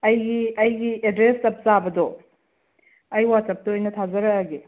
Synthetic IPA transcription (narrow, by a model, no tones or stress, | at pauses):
ɐjɡiɐjɡiedɾestɐp̚zabɐdɔ | ɐjwat͡ʃɐp̚tɐojnɐtʰazɐɾɐaɡe